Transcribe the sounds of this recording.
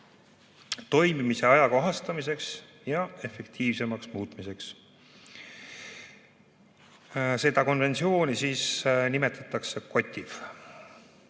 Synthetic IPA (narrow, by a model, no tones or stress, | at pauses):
t̪o̞jmimise̞ɑjɑkoɦɑst̪ɑmise̞ks | jɑe̞fe̞kt̪ʰiːvse̞mɑksmuːt̪mise̞ks | se̞d̪̥ɑko̞nve̞nt̪sio̞ːnisiːsnime̞t̪ʰːˑɑt̪ːˑɑkse̞ko̞t̪ʲːiv